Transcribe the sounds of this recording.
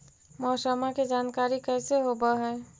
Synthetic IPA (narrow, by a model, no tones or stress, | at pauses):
mɔːsəmaked͡ʒankaɾikɛɪseɦobəɦɛː